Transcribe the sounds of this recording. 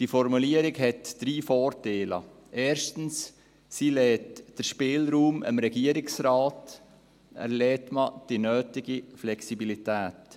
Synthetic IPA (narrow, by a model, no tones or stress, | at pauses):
d̥ifɔɾmuliəɾɪɡɦɛtd̥ɾiːfɔːɾteːlə̰ | ʔɛːɾʃtn̩s | silɛːtd̥əɾʃpɪːlɾuːmə̰mɾɛɡiəɾɪksɾaːt | æ̰ɾlɛːtməd̥inœːtɪɡiflɛksibilitæːt